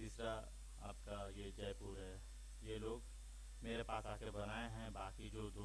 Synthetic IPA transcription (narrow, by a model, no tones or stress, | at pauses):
t̪iːsɾa | aːp̚kajed͡ʒɐjpuːɾɦɛ | jeloːɡ | meːɾepaːsaːpkebɐnaːeɦɛ̃baːkid͡ʒoːd̪o